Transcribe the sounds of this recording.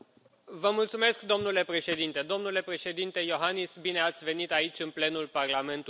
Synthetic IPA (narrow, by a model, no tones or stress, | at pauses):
vəmult̪sume̞skd̪o̞mnule̞pɾe̞ʃe̞d̪int̪e̞d̪o̞mnule̞pɾe̞ʃe̞d̪int̪e̞jo̞ɦanisbine̞at̪sʲve̞nit̪ait͡ʃʲɨnple̞nulparlame̞nt̪